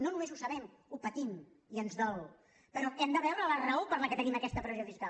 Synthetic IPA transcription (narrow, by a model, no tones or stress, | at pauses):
nonumezusəβɛm | upət̪im | iənzðɔl | pəɾɔɛmd̪əβɛwɾələrəopəɾləkət̪əniməkɛst̪əpɾəβzoðiska